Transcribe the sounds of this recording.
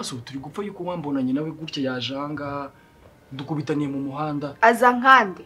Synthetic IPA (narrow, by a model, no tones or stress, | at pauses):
asotuɾiɡufajuːkowaːmbo̞naɲenaweɡuɾcajaʒaːŋɡa | dukuβitaniɾemumuɦaːndaazaŋ̥aːnde